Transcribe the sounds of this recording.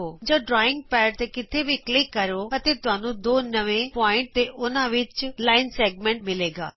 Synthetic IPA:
oːd͡ʒoːɖɾɔːɪ̃ŋɡ̚pɛːɾt̪ekɪt̪ʰebʱiklɪkːɐɾoɐt̪et̪ʊɦãːnũd̪oːnɐʋẽpɔːɪ̃ɳʈ̚t̪eʔʊnãʋɪt͡ʃlaːɪnsɛːɡ̚mẽɳʈmɪleːɡa̰ː

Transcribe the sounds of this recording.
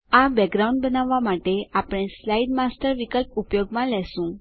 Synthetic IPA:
abɛɡɾaũɳɖbənaʋːamaʈeapɽ̃ẽslaiɖmasʈəɾʋikəlp̚upjoɡmãlɛʃũ

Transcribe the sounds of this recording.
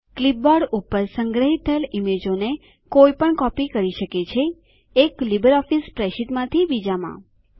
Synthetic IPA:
klip̚bɔɽupːəɾsəŋɡɾəɦit̪̚ʰːəelimed͡ʒone | koipəɳkɔpikəɾiʃəket͡ʃʰeː | klibəɾɔfispɾɛʃiʈmãt̪ʰiʋid͡ʒamã̰

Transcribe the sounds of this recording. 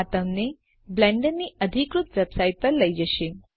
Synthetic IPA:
at̪əmne | blɛ̃ɳɖənːiːəd̪ʱikɾut̪ʋebsaiʈ̚pəɾləid͡ʒəʃe

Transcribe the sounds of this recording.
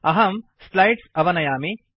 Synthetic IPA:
ɐɦɐm | slajʈsɐʋɐnɐjaːmi

